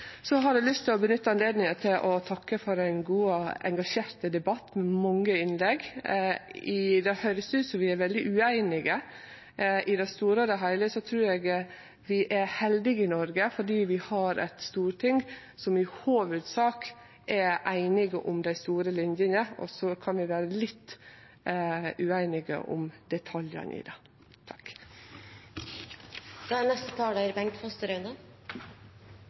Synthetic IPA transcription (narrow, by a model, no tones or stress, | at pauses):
sɔɦɑɾɛlʏst̪ʰɪlɔbənʏt̪ːəɑnleːd̪nɪŋət̪ʰɪlʔɔt̪ʰɑkːəfɔɾæɪnɡuːɔɛ̰ŋɡɑʂeːɾt̪əd̪ɛbɑt̪ːmɛmɑŋːəɪnlɛɡ | ɪd̪ɛhœʏɾəst̪ʉːsɔʋɪæɾʋɛld̪ɪʔʉæɪnɪɡə | ʔɪd̪ɛɪst̪uːɾəd̪ɛɦæɪlɪsɔt̪ʰɾʉːɾɛɡ | ʋɪʔæɾhɛld̪ɪɡəɪnɔɾɡəfɔɖiːʋɪhɑɾæ̰t̪st̪uːɾʈʰɪŋ | sɔmɪhoːʋʉd̪sɑːk | ʔɛʔæɪnɪɡəʔʊmd̪æɪst̪uːɾəlɪnd̪jənəɔ̰sɔkʰɑnʋɪʋæːɾəlɪt̪ː | ʉæɪnɪɡə̰ʔʊ̰md̪̥ɛt̪ʰɑljə̰nʔɪ̰d̪ɑ̰ | t̪ʰɑ̥k | d̪̥ɑæɳɛst̪ət̪ʰɑːɖɑːɡəɾbɛŋt̪fɑst̪əɾœnə